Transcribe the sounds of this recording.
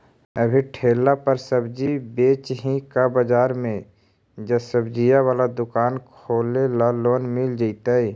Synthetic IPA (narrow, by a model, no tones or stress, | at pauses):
əbʱiʈʰeːlapəɾsəbd͡ʒibeːt͡ʃɦĩkabəd͡ʒaːɾmẽ | d͡ʒəsəbd͡ʒijawaːlad̪ʊkaːnkʰoːlelaloːnmɪld͡ʒaɪt̪aiː